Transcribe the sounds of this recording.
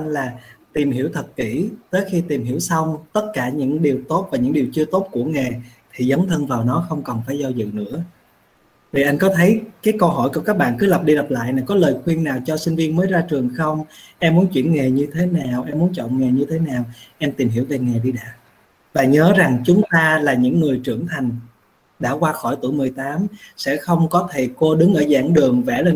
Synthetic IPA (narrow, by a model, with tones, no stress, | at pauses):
nlaː˨˩t̪i˨˩mhi˧˩əwt̪ʰə˨˩t̚kḭ˧˩˥t̪əː˨˦jxi˧t̪i˨˩mhi˧˩əwsə˧wŋ͡mt̪ə˦˥t̚kaː˧˩ɲɨ̰˧˥ŋɗi˨˩əwt̪o˦˥t̚vaː˨˩ɲɨ̰˧˥ŋɗi˨˩wt͡ɕɨ˧ət̪o˦˥t̚ku˧˩əŋa˨˩t̪ʰi˨˩zə˨˦wŋ͡mt̪ʰə˧nvaː˨˩wnɔ˨˦xə˧wŋ͡mkɔ˨˩nfaː˧˩jzɔ˧zɨ̰˧˨nɨ̰˧˥ə | vi˨˩ʔa˧jŋ̟kɔ˨˦t̪ʰə˨˦jkaː˨˦jkə˧wɦɔ˧˩jku˧˩kaː˦˥k̚ɓa̰ː˧˨nkɨ˨˦lə˨˩p̚ɗi˧lə˨˩p̚la̰ː˧˨jnaː˨˩kɔ˨˦ləː˨˩jxwi˧ənnaː˨˩wt͡ɕɔ˧sï˧ŋ̟vi˧ənməː˨˦jzaː˧t͡ɕɨ˨˩əŋxə˧wŋ͡mʔɛ˧mːu˨˦ənt͡ɕwḭ˧˩ənŋe˨˩ɲɨ˧t̪ʰe˨˦naː˨˩wʔɛ˧mːu˨˦ənt͡ɕɔ̰˧˨nŋe˨˩ɲɨ˧t̪ʰe˨˦naː˨˩wʔa˧jŋ̟t̪i˨˩mɦi˧˩əwve˨˩ŋa˨˩jɗi˧ɗa̰ː˧˥ | vaː˨˩ɲəː˨˦za˨˩ŋt͡ɕʊ˨˦ŋ͡mt̪aː˧laː˨˩ɲɨ̰˧˥ŋːɨ˨˩əjt͡ɕɨ˧˩əŋt̪ʰa˨˩jŋ̟ | ɗa̰ː˧˩kwaː˧xɔ˧˩jt̪u˧˩jmɨ˨˩əjt̪aː˨˦msɛ̰˧˥xə˧wŋ͡mkɔ˨˦t̪ʰe˧˩ko˧ɗɨ˨˦ŋʔəː˧˩za̰ː˧˥˩ŋɗɨ˨˩əŋvɛ˧˩lə˨˩